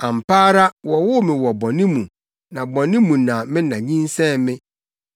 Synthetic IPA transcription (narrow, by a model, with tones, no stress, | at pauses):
ã˨m̩˨pʰaː˦ɾa˦wɔ˨wʊ˦mɪ̃˨wɔ˨bɔ˨nɪ̃˦mũ˨ | nã˨bɔ̃˨nɪ̃˦mũ˨nã˨mɪ̃˦nã˨ɲĩ˦n˦sɛ̃˦˨mɪ̃˦